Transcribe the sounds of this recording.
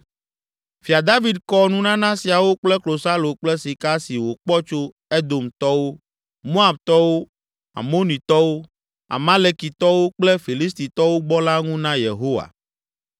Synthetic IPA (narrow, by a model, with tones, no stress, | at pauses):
fi˨a˨d̪a˦vi˨d̪kɔ˦nũ˦nã˦nã˦si˨a˨wo˦k͡plɛ˦klo˨sa˦lo˨k͡plɛ˦si˨ka˦si˨wo˨k͡pɔ˦t͡ʃo˦ | e˦d̪o˨mt̪ɔ˦wo˦ | mo˦a˨b̚t̪ɔ˦wo˦ | a̰˨mo˦nĩ˨t̪ɔ˦wo˦ | a̰˨mã˦le˦ki˨t̪ɔ˦wo˦k͡ple˦fi˨li˦st̪i˨t̪ɔ˦wo˦ɡ͡bɔ˦la˦ŋũ˦nã˦jḛ˨ɦo˦wa̰˨